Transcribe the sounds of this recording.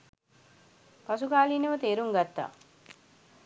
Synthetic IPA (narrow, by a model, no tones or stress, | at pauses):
pasukaːliːnəʋət̪eːɾuŋɡat̪ːa̰